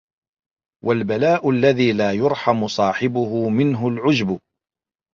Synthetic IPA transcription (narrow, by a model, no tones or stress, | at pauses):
wʔalbalaːʔʊlːaðiːlaːjʊɾˤħamʊsˤɑːħɪbʊhʊmɪnɦʊlʕʊd͡ʒbʊ